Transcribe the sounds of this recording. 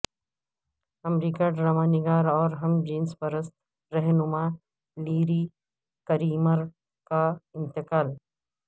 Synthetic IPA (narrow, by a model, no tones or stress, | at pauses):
ɐmɾiːkaɖɾamaːnɪɡaːɾɔːɾɦɐmd͡ʒiːnspɐɾəst̪ | ɾɛɦnʊma | liːɾi | kɐɾiːməɾ | kaɪ̃nt̪ɪkaːl